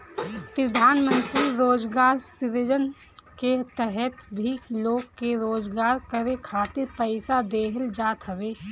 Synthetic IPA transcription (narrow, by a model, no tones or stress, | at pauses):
pɾəd̪ʱaːnmə̃nt̪ɾiɾoːd͡ʒɡaːɾsɪɾɪd͡ʒən | ket̪ɛɦɛt̪bʱiloːɡkeɾoːd͡ʒɡaːɾkəɾekʰaːt̪ɪɾpəɪsad̪eːɦəld͡ʒaːt̪ɦəʋeː